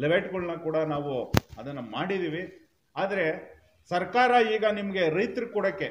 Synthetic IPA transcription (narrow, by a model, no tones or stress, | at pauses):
liʋejʈɡɐɭnɐkuːɽɐnaːʋuɐd̪ɐnːɐmaːɽid̪iːʋi | aːd̪ɐɾe̞ | sɐɾkaːɾɐiːɡɐnimɐɡe̞ɾɐjt̪ɾikɔɽɐkːe